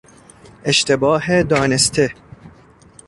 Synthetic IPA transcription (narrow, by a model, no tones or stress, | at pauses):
ʔeʃt̪e̞bɒːɦed̪ɒːne̞st̪ʰe̞